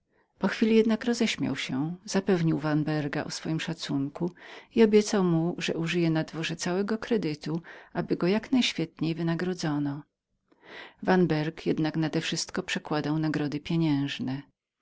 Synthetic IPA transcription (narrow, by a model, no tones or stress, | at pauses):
pɔxfʲilʲijɛd̪nakɾɔzɛɕmʲja̰wɕɛz̥apɛvɲiwvanbɛɾɡa̰ʔɔsfɔjimʂat̪suŋkuiɔbʲjɛt̪sawmuʐɛ̰ʔuʐɘjɛnad̪vɔʐɛt̪sawɛɡɔkɾɛd̪ɘt̪uʔabɘɡɔjaknajɕfʲjɛt̪ɲejvɘnaɡɾɔd̪zɔnɔ | vanbɛɾkjɛd̪naknad̪ɛfʂɘst̪kɔpʂɛkwad̪awnaɡɾɔd̪ɘpʲjeɲɛ̃w̃ʐnɛ